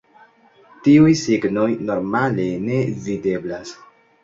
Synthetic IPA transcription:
tiujsiɡno̞jno̞ɾmale̞ne̞vide̞blas

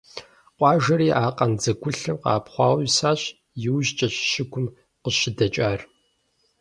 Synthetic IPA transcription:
qʷʼɑːʒɐɾiːʔaːqʼɐnd͡zɐɡʷʊɬɐwqɑ̰ːpχʷɑːwsaːɕ | jɪwʒt͡ʃʼɐɕʃɪkʷʰʊm | qəɕɪdɐt͡ʃʼaːr

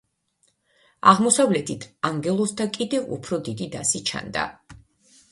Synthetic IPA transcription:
aʁmɔsavlɛt̪ʰit̪ʰaŋɡɛlˠɔsd̪akʼid̪ɛvṵpʰɾɔd̪id̪id̪asit͡ʃʰa̰nd̪a̰

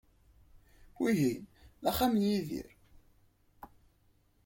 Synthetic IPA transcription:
wiɦinæχamənjiðḭɾ

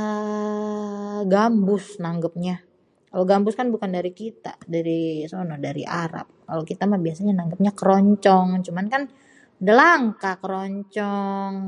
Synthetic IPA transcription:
ə | ɡambʊsnaŋɡəp̚ɲa | kaloɡambʊskanbukandaɾikit̪a̰daɾisonɔdaɾḭʔaɾa̰p̚kalokit̪amabiasaɲanaŋɡəp̚ɲakəɾɔɲt͡ʃɔŋt͡ʃumankan | dəlaŋkakəɾɔɲt͡ʃɔŋ

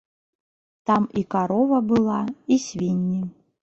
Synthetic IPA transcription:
t̪ɑmikaɾovɐbɨlˠɑisʲvʲinʲːi

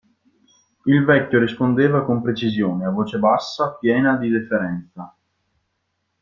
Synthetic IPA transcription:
ilvɛkʲːoɾispond̪eːvakompɾet͡ʃizjoːneavoːt͡ʃebasːapjɛːnad̪id̪efeɾɛnt̪sa

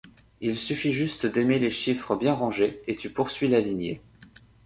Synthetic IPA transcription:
ilsyfiʒyst̪d̪emeleʃifχəbjɛ̃ʁɑ̃ʒeet̪ypuʁsɥilalinjḛ

